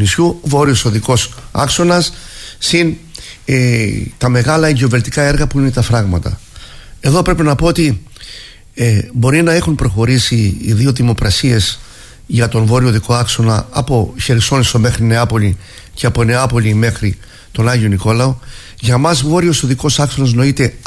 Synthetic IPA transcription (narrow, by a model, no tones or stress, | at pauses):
nisçuvo̞ɾio̞so̞ðiko̞sɐ̰kso̞nɐsːin | t̪ɐme̞ɣɐlɐiʝeove̞lt̪i̥kɐe̞ɾɣɐpuinet̪ɐfɾɐɣmɐt̪ɐ̰ | e̞ðo̞pɾe̞pinɐpo̞ot̪i | bo̞ɾinɐe̞xumpɾo̞xo̞ɾisiːðio̞ðimo̞kɾɐsie̞s | ʝɐt̪onvo̞ɾio̞ðiko̞ɐkso̞nɐɐpo̞çe̞ɾiso̞nisome̞xɾine̞ɐpo̞li | ce̞ɐpo̞ne̞ɐpo̞lime̞xɾi | t̪o̞nɐʝio̞niko̞lɐo | ʝɐmɐzvo̞ɾio̞soðiko̞sɐkso̞nɐz̬no̞it̪e̞